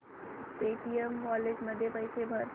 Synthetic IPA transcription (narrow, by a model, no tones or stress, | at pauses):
peːʈijəmkɔːled͡ʒmɐd̪ʱjepɐɪsebʱɐɾ